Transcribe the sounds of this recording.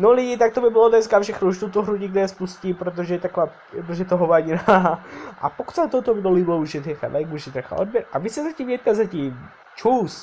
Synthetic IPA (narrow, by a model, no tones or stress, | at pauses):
nolɪɟɪt̪ak̚t̪obɪbɪlodnɛskafʃɛxnuuʃt̪ut̪oɦɾuɟɪɡd̪ɛɛspuscipɾot̪̬oʒɛjɛt̪akova | ɾot̪oʒɛjɛt̪oɦovaːɲinaʔa̰pokut̪sat̪ot̪ovɪdoliblouʒɛt̪ɛxa̰lajɡuʃɛt̪ɾaxa̰ʔod̚bjɛɾʔavɪsɛzacimjɛt̪̚kazacim | t͡ʃuːs